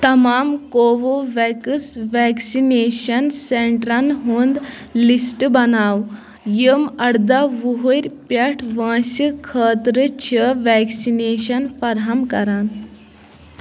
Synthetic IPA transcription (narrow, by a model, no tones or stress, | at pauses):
t̪əmamkoʋoʋɛkəsʋɛksineɕənseɳʈɾanɦond̪ | lisʈbənaw | jəmɐɽd̪aʋuɦoɾʲpjaʈʰʋãɕikʰəːt̪ɾət͡ɕʰəʋɛksineɕənfɐɾɦamkəɾan